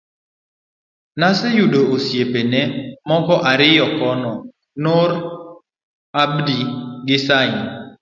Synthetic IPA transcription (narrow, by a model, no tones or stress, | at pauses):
nasɪjudoosjepenɛmɔkɔʔaɾɪjɔkɔnɔ | nʊɾ | abdiɡɪsaɪn